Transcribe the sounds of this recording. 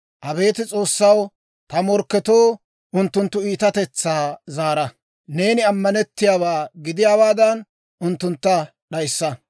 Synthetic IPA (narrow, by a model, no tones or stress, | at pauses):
ʔɐbe̞ːt̪ɪt͡sʼo̞ːsːɐw | t̪ɐmɔɾkːɛt̪o̞ː | ʊnt̪ːʊnt̪ːʊiːt̪ɐt̪ɛt͡sːaːzaːɾɐ | ne̞ːnɪɐmːɐnɛt̪ːɪjaːbaːɡɪd̪ɪjaːbaːd̪ɐn | ʔʊnt̪ːʊnt̪ːɐ | ɗɐjsːɐ